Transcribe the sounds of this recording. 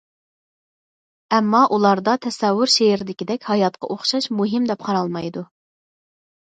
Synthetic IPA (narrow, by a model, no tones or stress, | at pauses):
ɛmːɑʔulˠɑɾd̪ɑt̪ʰɛsɛwːʊɾʃeɪɾɪd̪ɪkʲid̪ɛkʲhɑjɑt̪̚qʰɑ̰ʔoχʃɑʃmuɦɪmd̪ɛp̚qʰɑɾɑlˠmɑjd̪u